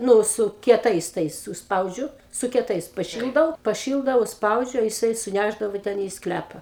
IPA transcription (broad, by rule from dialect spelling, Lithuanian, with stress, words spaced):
ˈnʊ sʊ kʲiɛˈtɐɪs ˈtɐɪs ʊʃsˈpɐʊd͡ʒʲʊ sʊ kʲiɛˈtɐɪs pɐˈʃʲɪlˠdɐʊ pɐˈʃʲɪlˠdɐʊ ʊʃsˈpɐʊd͡ʒʲʊ jɪˈsɐɪ sʊˈnʲæʒdɐʋoː ˈtʲɛn iː ˈsklʲæpɐ